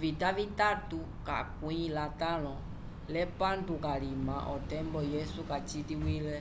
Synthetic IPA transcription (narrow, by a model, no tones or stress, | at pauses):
vit̪avit̪at̪u | ka̰kwĩlat̪alɔ̃ | lɛpant̪ukalimãʔɔt̪ɛmbɔjɛsukat͡ʃit̪iwilɛ